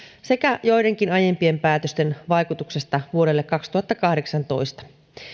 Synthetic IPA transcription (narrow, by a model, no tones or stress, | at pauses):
se̞kæjo̞jde̞ŋk̟inɑje̞mpie̞mpæːt̪øst̪enʋɑjkut̪uksest̪ɑʋuo̞ɾe̞lːekːɑkst̪uhɑt̪ːɑkɑhde̞ksɑnt̪o̞̰ist̪ɑ̥